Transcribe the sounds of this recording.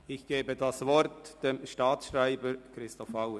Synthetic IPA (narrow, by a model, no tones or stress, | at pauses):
ɪçɡ̥eːbədɑsvɔɾtd̥emʃtɑːtʃʁaɪbəɾkɾɪstɔfaʊə